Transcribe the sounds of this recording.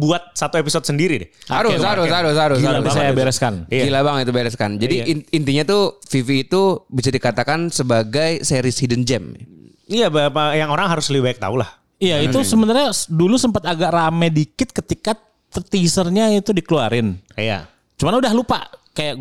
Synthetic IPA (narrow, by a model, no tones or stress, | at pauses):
buat̪̚sat̪uepisɔd̚səndiɾidɪaaɾʊsaɾʊsaɾʊsaɾʊd͡ʒiaisajabeɾɛskand͡ʒilabaŋit̪ubeɾɛskand͡ʒadiːnt̪iɲat̪ufifiːt̪ubisadikat̪akansəbaɡajsajaɾisidɛnd͡ʒɛm | ijabapajaŋoɾaŋɦaɾʊsləbibaɛk̚t̪a̰ulah | ijait̪usəmənt̪arɲadulusəmpat̪aɡaʔramɛdikɪt̪̚kət̪ika | t̪ət̪isərɲait̪udikəluaɾɪnja̰ | t͡ʃumanaudaɦlupa̰kajaʔ